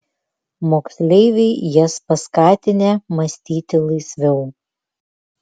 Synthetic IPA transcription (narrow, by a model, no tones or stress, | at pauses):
moːksʲlʲɛɪʋʲɛɪjɛspɐskɑːt̪ʲɪnʲeːmɐsʲt̪ʲiːt̪ʲɪlˠɐɪsʲʋʲɛʊ